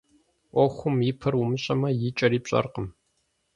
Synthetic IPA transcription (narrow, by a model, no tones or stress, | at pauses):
ʔʷɔxʷʊmjɪpʰɐrwʊmɨɕʼɐmɐjɪt͡ʃʼɐɾiːpɕʼɐ̰rqəm